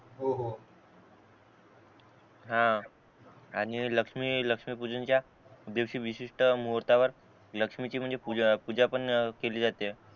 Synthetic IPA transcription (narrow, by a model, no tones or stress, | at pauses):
ɦoɦo | ɦã | aɽ̃iləkʂmiːləkʂmiːpud͡zənt͡ɕja | d̪eʋɕiːʋiɕiʂʈəmuɦəɾt̪aʋəɾ | ləkʂmit͡ɕiːm̤əɳd͡zepupud͡ʑapəɳkeliːd͡zat̪e